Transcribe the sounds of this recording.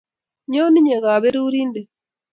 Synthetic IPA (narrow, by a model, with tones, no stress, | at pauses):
ɲo˦ni˦ɲe˨ɣaː˨βe˦ɾuː˦ɾiː˦nde˨